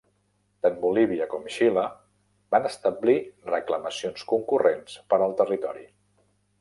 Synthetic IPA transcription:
t̪anbuliβ̞iəkɔmʃilə | banəst̪əblirəkləməsionskuŋkurenspəɾəlˠt̪ərit̪ɔɾḭ

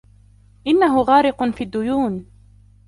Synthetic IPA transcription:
ʔɪnːaɦʊɣɑːɾɪqʊnfiːad̪ːʊjuːn

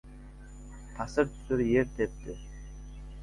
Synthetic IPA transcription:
t̪ʰɑsɤɾt̪ʰy̥syɾjeɾt̪ʰep̚t̪ɪ

